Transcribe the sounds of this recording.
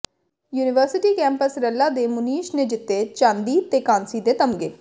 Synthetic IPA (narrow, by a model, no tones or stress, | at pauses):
juːnɪʋəɾsɪʈiːkɛ̃ːmpəsɾɛlːaːd̪eːmʊniːʃneːd͡ʒɪt̪ːeːt͡ʃãːnd̪iːt̪eːkãːnsiːd̪eːt̪əmɡḛː